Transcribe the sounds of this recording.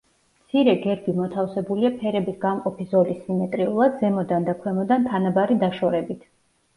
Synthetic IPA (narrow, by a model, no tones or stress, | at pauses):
mt̪sʰiɾɛɡɛɾbimɔt̪ʰafsɛbuliapʰɛɾɛbisɡamqʼɔpʰizɔlisimɛt̪ʼɾiulˠad̪zɛmɔd̪and̪akʰwɛmɔd̪ant̪ʰanabaɾid̪aʃɔɾɛbit̪ʰ